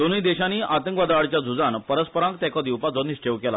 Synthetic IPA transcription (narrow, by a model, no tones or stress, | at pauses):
d̪onujd̪eɕaniːʔat̪ə̃ŋkʋad̪ʋaɽt͡ɕjad͡zʱud͡zanpəɾəspəɾãŋk̚t̪ɛ̃kɔd̪iwpad͡zoniɕʈeʋkɛla